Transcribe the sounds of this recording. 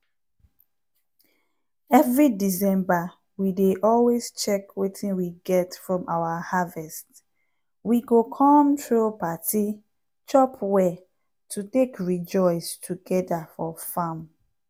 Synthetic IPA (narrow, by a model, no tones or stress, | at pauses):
ɛvɹidisɛ̃mba | wideʔɔlwest͡ʃɛkwetʰĩnwiɡɛtfɹɔ̃mawahavɛst | wiɡokʰɔ̃mtɹupatʰi | t͡ʃɔpʰwɛ | tʰutekɹid͡ʒɔɪstʰuɡɛdafɔfãm